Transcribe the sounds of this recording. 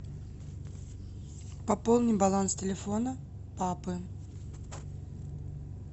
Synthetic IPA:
pɐpolˠnʲɪjbɐlˠanstʲɪlʲɪfo̞nə | papɨ

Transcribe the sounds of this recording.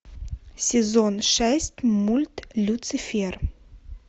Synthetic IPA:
sɛzɔnʃaɪstmultlut͡sifer

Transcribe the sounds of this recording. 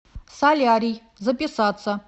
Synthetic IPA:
salʲaɾʲij | zɐpʲʼisat̪t͡sʰɐ

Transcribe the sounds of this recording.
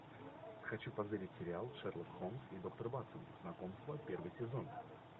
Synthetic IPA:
xɐt͡ɕupɐzɐɾʲɪtʲsʲɪɾʲɪalˠʂɛrlˠət̪xomsid̪o̞k̚t̪ərbat̪sənznɐko̞mst̪vəpʲe̞rvɨjsʲɪzo̞n

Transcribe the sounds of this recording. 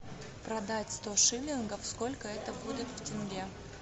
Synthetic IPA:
pɾɐd̪atʲst̪oʂɨlʲɪnɡəfsko̞lʲkəɛt̪əbudʲɪt̪ftʲɪnɡʲe

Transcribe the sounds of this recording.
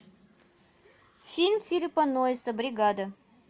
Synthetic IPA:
fʲilʲmfʲilʲipɐnoɪsəbɾʲiɡad̪ə

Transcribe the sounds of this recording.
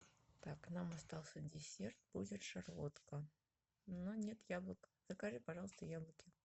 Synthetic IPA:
t̪aknamɐst̪ɑlˠsʲədʲɪsʲert̪̚b̥udʲɪt̪ʂarvot̪kə | nonʲe̞t̪jablˠəkz̥əkɐʐɨpɐʐɑlˠəst̪əjablˠəkʲɪ

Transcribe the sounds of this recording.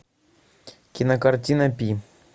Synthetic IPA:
kʲinɐkartʲinɐpʲi

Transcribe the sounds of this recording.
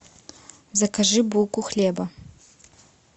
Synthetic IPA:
zɐkʰaʒɨbukʷʼuxlʲeːbɐ

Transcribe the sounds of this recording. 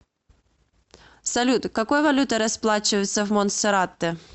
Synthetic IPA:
sɐlʲut̪kakɔjɐvɐlʲut̪ɐɾɐsplˠat͡ʃɪjɛt̪sːɐwmɔnsɛɾat̪ːɪ

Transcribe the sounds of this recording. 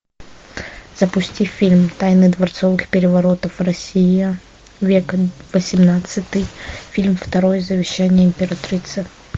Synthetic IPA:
z̥əpʊsʲtʲifʲilʲmt̪ajnɨd̪vɐrt̪sovɨxpʲɪɾʲɪvɐɾo̞t̪əfrɐsʲi | vʲekvəsʲɪmnat̪sɨt̪ɨjfʲilʲmft̪ɐɾojzəvʲɪɕːænʲɪjəɪmʲpʲɪɾɐt̪ɾʲit̪sɨ

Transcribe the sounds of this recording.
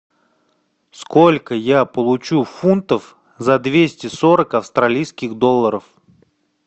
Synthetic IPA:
skolʲkəjapəlˠʊt͡ɕufunt̪əf | zɐd̪vʲesʲtʲɪsoɾəkɐfst̪ɾɐlʲijskʲɪxd̪olˠːəɾəf

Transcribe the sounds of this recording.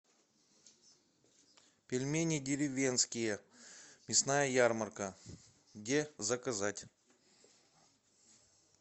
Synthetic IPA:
pʲɪlʲmʲenʲɪdʲɪɾʲɪvʲenskʲɪjəmʲɪsnajəjarmərkə | ɡdʲezəkɐzatʲ

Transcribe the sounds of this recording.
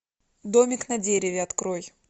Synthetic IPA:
d̪o̞mʲɪknɐdʲeɾʲɪvʲɪɐt̪kɾoj

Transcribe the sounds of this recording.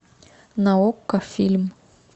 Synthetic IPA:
naokːafilm

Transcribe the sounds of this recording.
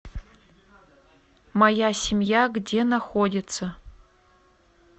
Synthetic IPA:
mɐjasʲɪmjaɡdʲenaxodʲɪt̪sɐ

